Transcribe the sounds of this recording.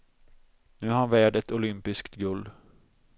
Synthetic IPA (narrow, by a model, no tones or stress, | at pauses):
nʉ̟ːhanvæːɖɛt̪ʊlʏmpɪskt̪ɡɵld̪